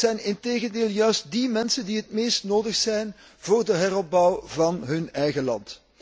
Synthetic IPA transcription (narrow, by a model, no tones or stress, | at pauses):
zɛjnɪnteːɣəndeːlˠjœɥst̚dimɛnsəndiɦətmeːstnoːdəxsɛjn | voːrdəɦɛrɔb̚bɔwvɑnɦɵnɛjɣəlɑ̰nt